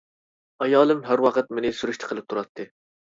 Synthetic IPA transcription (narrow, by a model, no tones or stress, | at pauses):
ɑjɑːlˠɨmɦæɾwɑqət̪̚menɪsyɾyʃt̪ʰə̥qʰəlˠɨp̚t̪ʰuɾɑt̪ʰːɨ